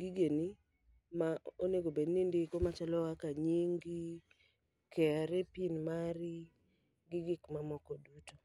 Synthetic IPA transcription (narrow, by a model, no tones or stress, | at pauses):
ɡiɡeni | maoneɡobednindɪkomat͡ʃalɔwakaɲiŋɡi | kʰɛaɾɛpinmaɾɪ | ɡɪɡɪkmamɔkɔduto